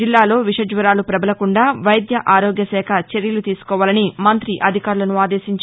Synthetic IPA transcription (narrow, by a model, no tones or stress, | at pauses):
ilːaːlo̞ːʋiʂɐd͡ʒʋɐɾaːlupɾɐbɐlɐkuɳɖaːʋɐjd̪jɐʔaːɾoːɡjɐsɛːkʰɐt͡ʃe̞ɾjɐlut̪iːsu̥kɔːʋaːlɐnimɐnt̪ɾiʔɐd̪ʱikaːɾulɐnuaːd̪e̞ːʃiɲt͡ʃ